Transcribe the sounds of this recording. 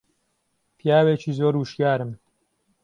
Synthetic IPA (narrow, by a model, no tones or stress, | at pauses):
pʰijaːwet͡ʃiːzoːɾwuʃjaːɾɨm